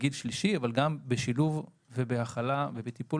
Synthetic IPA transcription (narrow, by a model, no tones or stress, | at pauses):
ɡidʃliʃiavalɡambeʃiluvː | ebeaχalave̞bet̪ipu